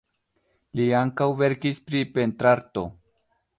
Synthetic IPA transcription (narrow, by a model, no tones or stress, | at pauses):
liaŋkawβeɾkispɾipent̪ɾaɾt̪o